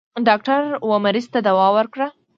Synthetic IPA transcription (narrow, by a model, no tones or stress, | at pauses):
ɖɑk̚ʈaɾwəmaɾizt̪ad̪awɑwəɾkɽa